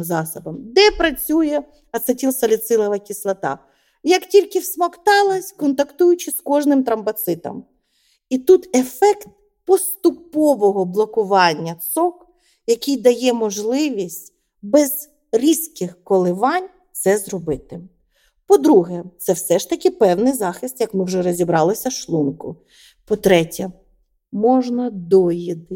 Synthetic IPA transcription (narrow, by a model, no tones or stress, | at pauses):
zɑsɔbɐmd̪ɛpɾɐt͡sʲujɛ | ɐsɐtʲilˠsɐlʲɪt̪sɪlˠɐʋɐkʲislˠɐt̪ɑ̰ | jɐktʲilʲkɪwsmɐkt̪ɑlˠɐsʲkɔnt̪ɐkt̪ujʊt͡ʃɪskɔʒnɪmt̪ɾɐmbɐt̪sɪt̪ɐ̰m | it̪ut̪efɛkt̪̚ | pɔst̪ʊpɔʋɔɦɔblˠɔkʊʋɑnʲːɐt̪sɔk | jɐkʲijd̪ɐjɛmɔʒlˠɪʋʲisʲtʲ | bɛz̥ | ɾʲiskɪxkɔlˠɪʋɑnʲ | t̪sɛzɾɔbɪt̪ɪ | pɔd̪ɾuɦɛt̪sɛwsɛʃt̪ɐkɪpɛwnɪjzɑxɪst̪jɐkmɪwʒɛɾɔzʲibɾɑlˠɪsʲɐʃlˠunkʊ̰ | pɔt̪ɾɛtʲɛ | mɔʒnɐd̪ɔjid̪ɪ